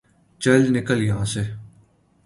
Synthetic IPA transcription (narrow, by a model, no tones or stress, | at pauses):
t͡ʃəlnɪkəljɐɦãːse